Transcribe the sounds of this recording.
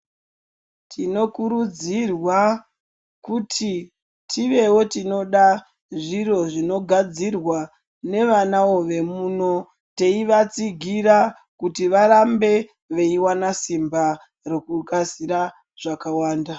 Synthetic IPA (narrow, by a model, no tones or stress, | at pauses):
tʰino̞kuɾud͡zirwa | kutʰi | tʰiʋe̞wo̞tino̞ɗa | ʐiro̞ʐino̞ɡʱad͡zirwa | ne̞ʋanao̞ʋe̞muːno̞ | te̞iʋat͡siɡʱiɾa | kutiʋaɾambe̞ | ʋeiwanasimba | rokukasiɾa | ʐ̥akawaːnda